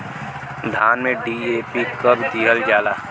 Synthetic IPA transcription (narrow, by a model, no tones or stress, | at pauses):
d̪ʱaːnmẽɖiːeːpikəbd̪iːɦəld͡ʒaːlaː